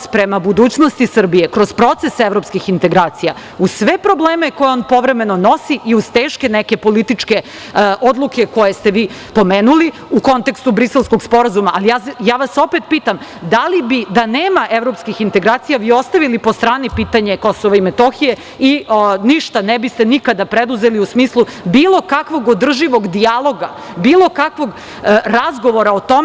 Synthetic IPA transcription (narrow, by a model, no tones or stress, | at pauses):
pɾemabud̪uːt͡ɕnost̪isr̩bijekɾoz̥pɾo̞t̪sesevɾo̞pskixint̪e̞ɡɾaːt̪sija | ussʋepɾobleːmeko̞jeoːnpo̞ʋɾemeno̞no̞siʔiuz̥t̪eːʃke̞neke̞po̞lit̪it͡ʂke̞ | ʔo̞d̪lˠukeko̞je̞st̪eʋiː | po̞meːnuli | uko̞nt̪e̞kst̪ubɾiselskoɡspo̞ɾazumaʔalijajaːʋaso̞pet̪̚piːt̪amd̪alibid̪aneːmaʔeʋɾo̞pskixint̪e̞ɡɾaːt̪sijaʋiːo̞st̪aʋilipost̪ɾaːnipiːt̪aɲekosoʋaimet̪oxije | iniʃt̪anɛbist̪enikad̪apɾed̪uzeliusmiːslˠubiːlˠo̞kakʋo̞ɡod̪r̩ʒiʋo̞ɡd̪ijalˠo̞ɡa | biːlˠo̞kakʋo̞ɡ | ɾazɡo̞ʋo̞ɾaot̪om